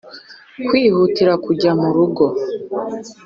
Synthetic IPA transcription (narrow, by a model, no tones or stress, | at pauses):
kwiːhutiɾakuɟamuɾuɡo̞